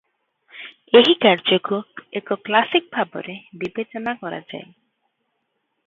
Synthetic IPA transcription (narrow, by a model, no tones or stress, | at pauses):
eɦikaɾd͡ʒɔkuekɔklasik̚bʱabɔ̰ɾebibet͡ʃɔnakɔɾa̰d͡ʒa̰e